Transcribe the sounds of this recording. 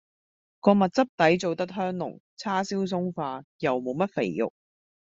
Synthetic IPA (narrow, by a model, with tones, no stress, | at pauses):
kɔː˧mɐ˨t̚t͡sɐ˥p̚t̪ɐ˨˥jt͡so˨wt̪ɐ˥t̚ɦœː˥ŋlʊ̰˨˩ŋ | t͡sʰaː˥siː˥ws̬ʊ˥ŋfaː˧jɐ˨wmo˨˧wmɐ˥t̚fe˨˩jjʊ̰˨k̚